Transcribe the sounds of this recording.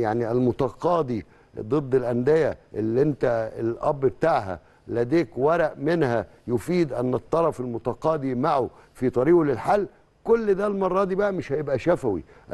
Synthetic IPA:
jaʕniælmʊt̪ɑqɑːd̪i | d̪ˤɨd̪ˤːɪlʔænd̪ejæʔelːiʔent̪æelʔæbːbt̪aʕɦæ̰ | læd̪eːkwæɾˤɑʔmenhæ | jofiːd̪ʔænːet̪ˤːɑɾˤɑfelmʊt̪ɑqɑːd̪imaʕo | fit̪ˤɑɾiːɡlɪlħalː | kʊlːd̪æːlmɑrˤːɑd̪ibæʔæmeʃhæjebʔæʃæfæwḭ | ʔ

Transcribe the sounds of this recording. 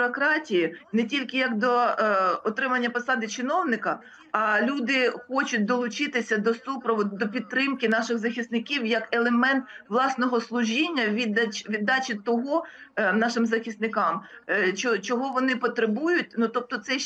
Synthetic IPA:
ɾɔkɾɑtʲijinɛtʲilʲkɪjɐkd̪ɔɔt̪ɾɪmɐnʲːɐpɔsɑd̪ɪt͡ʃɪnɔwnɪkɐː | lʲud̪ɪxɔt͡ʃʊt̚ʲd̪ɔlˠʊt͡ʃɪt̪ɪsʲɐd̪ɔsupɾɔʋɔd̪ɔpʲit̪̚t̪ːɾɪmkɪnɑʃɪɣzɐxʲisnɪkʲiwjɐkelˠemɛnt̪ʋlˠɑsnɔɦɔslˠʊʒʲinʲːɐʋʲid̪ɐʋʲid̪ːɑt͡ʃʲɪt̪ɔɦɔnɑʃɪmzɐxʲisnɪkɑmt͡ʃɔt͡ʃɔɦɔʋɔnɪpɔt̪ɾebujʊtʲnut̪ɔp̚t̪ɔt̪sɛ

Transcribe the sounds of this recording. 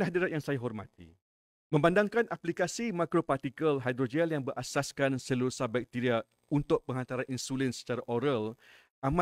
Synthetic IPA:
naɦadiɾat̪̚jaŋsajaɦɔrma̰t̪ḭ | mə̃mbandaŋkanʔaplikasimakɾopart̪ikəlɦajd̪ɾod͡ʒɛljaŋbəɾʔasaskansəluɾusabak̚t̪iɾia | unt̪ʊʔ̚pəŋɦant̪aɾaninsulinsə̥t͡ʃaɾaʔɔɾəl | ama

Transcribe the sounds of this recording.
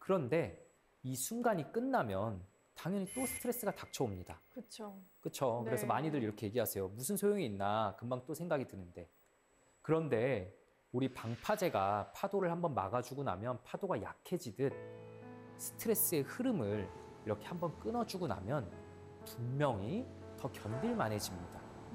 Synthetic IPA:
kɯɾʌnde̞ | isʰunɡaɲik͈ɯnːamjʌn | taŋjʌɲit͈osʰɯ̥tʰɯɾe̞s͈ɯɡatak̚t͡ɕʰʌomɲida̰kɯt͡ɕʰok͈ɯt͡ɕʰokɯɾe̞sʰʌmaɲidɯɭɾiɾʌkʰe̞je̞ɡiɦasʰejomusʰɯnsʰojoŋiːnːakɯmmaŋt͈osʰe̞ŋɡaɡitɯnɯnde̞ | kɯɾʌnde̞ | uɾipaŋpʰad͡ʑe̞ɡapʰadoɾɯɭhambʌnma̰ɡad͡ʑuɡuna̰mjʌnpʰadoɡaja̰kʰe̞d͡ʑidɯn | sʰɯ̥tʰɯɾe̞s͈ɯe̞hɯɾɯmɯɭ | iɾʌkʰe̞hambʌnk͈ɯnʌd͡ʑuɡona̰mjʌn | pummjʌŋi | tʌkjʌndiɭmanɦe̞d͡ʑimɲida

